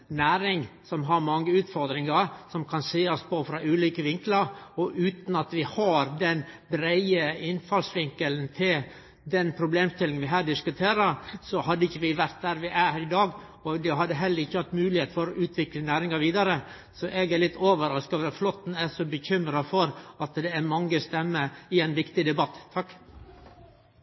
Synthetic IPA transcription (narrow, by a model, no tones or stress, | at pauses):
næːɾɪŋsɔmɦɑɾmɑŋːəʉːt̪fɔɾd̪ɾɪŋɑɾsɔmkʰɑnseːɔspʰofɾɑʔʉːliːkəʋɪŋkləɾɔʔʉːt̪nɑt̪ʋɪhɑɾd̪ɛnbɾæɪəɪnfɑlsʋɪŋkəln̩t̪ʰɪl | d̪ɛnpʰɾʊbleːmst̪ɪlɪŋnʋɪɦæːɖɪskʉt̪ʰeːɾəɾsɔhɑd̪ːəɪçːəʋɪʋæɾt̪̚d̪æːɾʋɪʔæhæɾɪd̪ɑːɡ | ɔd̪ɛɦɑd̪ːəɦɛlːəɾɪçːəhɑt̪ːmʉːlɪheːt̪fɔɾɔʔʉːt̪ʰʋɪklənæːɾɪŋɑʋiːd̪ɑɾə | sɔʔɛɡælɪt̪ːoːʋəɾɑskɑʋflɔt̪ːn̩æsɔbəçʏmɾɑfɔɾɑt̪d̪ɛæɾmɑŋːəst̪ɛmːəɪɛɪnʋɪkt̪ɪd̪ɛbɑt̪ːt̪ʰːɑkː